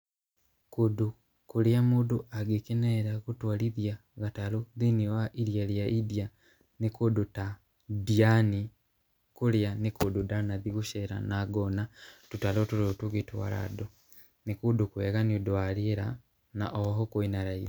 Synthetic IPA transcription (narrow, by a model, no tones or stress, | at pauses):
kudu | kuljamuduʔaɡikeneɾakutwaliðjaɣataloðiniwaʔiɾjaljaʔidja | nikuduta | diani | kuljanikududanaðiɣuʃeɾa̰naɡonatutalotuɾotuɣitwa̰ɾa̰do | nikudukweɣaniodwaliɾa | na̰ʔoɦokoinaɾaið